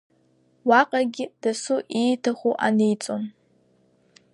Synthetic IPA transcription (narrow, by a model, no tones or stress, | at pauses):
waqʼaɡʲɪd̥asuʔijtʰaχʷuʔanejt͡sʼon